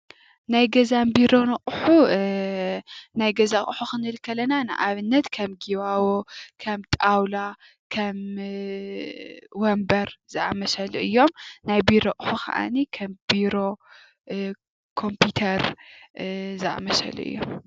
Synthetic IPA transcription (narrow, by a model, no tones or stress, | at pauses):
najɡɐzambiɾo̞nɨqʼħu | najɡɐzaχʼħuxɨnlkʰːɐlɐnanɨ̰ʔaβɨnːɐt̪kʰɐmɡiβawokʰɐmt̪ʼawla | kʰɐm | wɔmbɐɾz̥ɨʔa̰mɐsɐluʔɨjːo̞mnajbiɾoʔʼħukʰɐ̰ʔa̰nikʰɐmb̥iɾo̞ | kʰo̞mpʰut̪ʰɐɾ | zɨʔa̰mɐsɐ̰lṵʔɨ̰jːo̰m